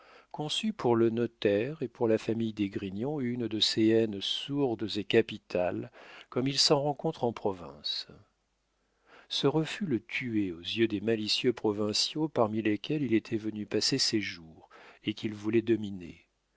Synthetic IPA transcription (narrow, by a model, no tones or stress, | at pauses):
kɔ̃sypʰuʁlənɔt̪ɛʁepuʁlafamijd̪eɡʁiɲjɔ̃ynd̪əseɛnsuʁd̪zekapit̪ʰalkɔmilsɑ̃ʁɑ̃kɔ̃t̪χɑ̃pχɔvɛ̰̃s | səʁəfylət̪ʰyeozjød̪emalisjøpχɔvɛ̃sjopaʁmilekʲɛlilet̪ʰɛvənypaseseʒuːʁekʲilvulɛd̪ɔminḛ